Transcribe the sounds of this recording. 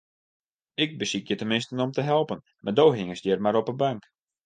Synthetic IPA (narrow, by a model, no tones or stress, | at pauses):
ɪk̚bəsikjətəmɪnstənɔmtəɦɛlˠpən | mʔardowɦɪŋəsjɪrmaɾɔpəbaŋk